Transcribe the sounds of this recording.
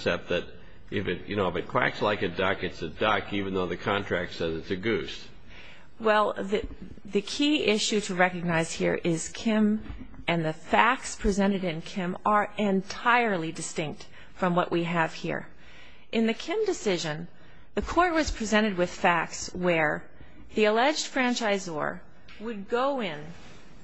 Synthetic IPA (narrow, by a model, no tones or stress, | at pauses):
sɛp̪̚ðɨɾ | ʔɪfɨt̚jɨ̰ñoʊəfɨt̚kʰw̥æ̰kslaɪkɨdʌkɨtsɨdʌkivn̩ðoʊðɨkʰɑ̃ntʰɹ̥æk̚tsɛzɨtsɨɡʉst | wɛlˠðɨ | ðɨkʰiɪʃʉɾɨɹɛkɨɡ̚naɪz̥hḭɹʔɪz̥kʰɪ̃m | ɨ̃nðɨfæk̚tspʰɹ̥izɛ̃ɾ̃ɨɾɨ̃nkʰɪ̃mə˞ɨ̃ntʰaɪə˞lˠidɨstɪ̃ŋk̚t | fɹʌ̃mwʌ̰ʔwʔiɨv̥hḭɹ | ʔɨ̃nðɨkʰɪ̃mdɨsɪʒɨ̃n | ðɨkʰɔɹt̚wʌz̥pʰɹ̥izɛ̃ɾ̃ɨd̚wɨð̥fæk̚tswə˞ | ðiɨlɛd͡ʒd̥fɹæ̃nt͡ʃaɪzɔ̰ɹ | wɨd̚ɡoʊɪ̃n